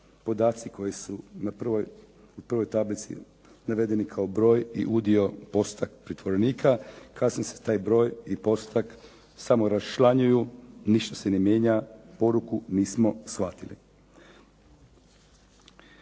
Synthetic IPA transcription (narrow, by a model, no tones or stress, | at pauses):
po̞d̪aːt̪siko̞jisunapr̩ʋoj | upr̩ʋo̞jt̪ablit̪sḭ | naʋe̞d̪e̞nikʰaobɾo̞ːjḭʔud̪io̞po̞st̪akpɾit̪ʋo̞ɾeniːkʰakʰasnise̥t̪aːjbɾo̞ːjipo̞st̪ak | samo̞ɾaʃlˠaɲujuniʃt̪asenemje̞ːɲapo̞ɾukuniːsmo̞sxʋat̪ilḭ